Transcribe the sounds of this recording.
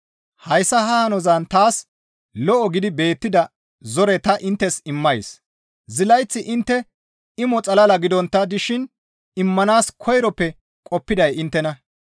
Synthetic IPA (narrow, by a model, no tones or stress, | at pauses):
hɐjsːɐhɐhɐnɔzɐnt̪aːs | lɔʔɔɡɪd̪ɪbe̞ːt̪ːɪd̪ɐ | zɔɾɛt̪ɐʔɪnt̪ːɛsɪmːɐjs | zɪlɐjt͡sːɪʔɪnt̪ːɛ | ɪmɔt͡sʼɐlɐlɐɡɪd̪ɔnt̪ːɐd̪ɪʃɪn | ɪmːɐnaːskʰɔjɾɔpːɛ | kʼɔpːɪd̪ɐjɪnt̪ːɛnɐ